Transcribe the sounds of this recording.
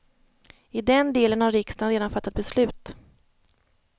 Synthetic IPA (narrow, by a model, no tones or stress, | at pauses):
ɪd̪ɛnd̪eːlənhaɾɾɪkst̪anɾeːd̪anfat̪ːat̪̚bɛslʉ̟ːt̪